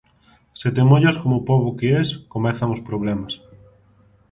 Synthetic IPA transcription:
set̪emoʎaskomopɔβokeɛskomɛθaŋospɾoβlɛmas

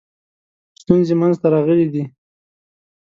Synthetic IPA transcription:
st̪unzemanzt̪aɾɑɣəlid̪i

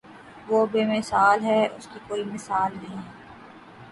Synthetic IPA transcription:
ʋoːbeːmɪsaːlɦɛʊskikoːimɪsaːlnɐɦĩɦɛː

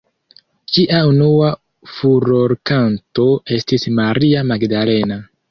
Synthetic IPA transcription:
t͡ʃiʔaunua | fuɾo̞ɾkanto̞e̞stismaɾiamaɡdale̞na

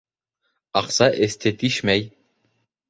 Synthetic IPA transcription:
ɑqsɑʔɘ̆st̪ɘt̪iʃmæj

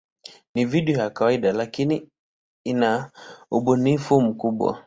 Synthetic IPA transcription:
niviɗiɔjakawaiɗalakini | inauɓunifum̩kuɓwa̰

